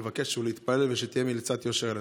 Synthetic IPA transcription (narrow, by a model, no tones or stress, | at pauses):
vake̞ʃːeuleit̪palelveʃet̪ijemilet͡sat̪joʃeʁel